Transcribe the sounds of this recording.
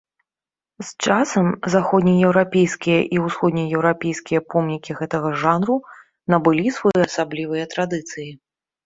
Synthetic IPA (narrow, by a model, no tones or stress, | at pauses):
st͡ʂasɐmzaxɔd̪nʲijɛwɾapʲejskʲijɐʔiwsxɔd̪̚nʲijɛwɾapʲejskʲijɐpɔmnʲikʲiɣɛt̪ɐɣɐʐanɾu | nɐbɨlʲisvɔjɐsablʲivɨjɐt̪ɾad̪ɨt̪sɨji